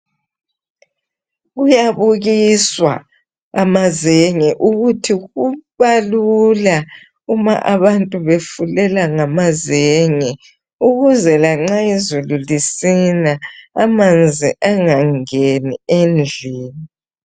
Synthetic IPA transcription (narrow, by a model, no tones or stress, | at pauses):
ɣujaβuɣiswa̰ | amazeŋɛʔuɣutʰiɣuβalula | uma̰ʔaβantʼuβefulɛlaŋamazeŋɛ | uɣuzɛlaŋ͡ǀaizululisinaamand͡zʱiʔaŋaŋeniend͡ɮʱiːni